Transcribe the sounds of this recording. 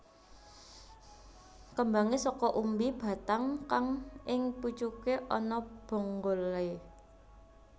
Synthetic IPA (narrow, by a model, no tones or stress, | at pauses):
kəmbaŋesɔkɔʔumbib̥ä̤t̪aŋkaŋʔɪŋpu̥t͡ʃukeʔɔnɔb̥o̤ŋɡole